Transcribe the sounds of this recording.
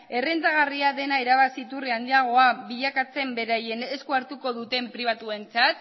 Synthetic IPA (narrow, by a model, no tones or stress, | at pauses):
e̞rent͡s̪aɣ̞ariaðe̞naeɾaβ̞asiːt̪uriand̪iaɣ̞o̞aβiʎakat͡se̞mbe̞ɾaje̞neskuaɾt̪uko̞ðut̪e̞mpɾiβ̞at̪ue̞nt͡sat̪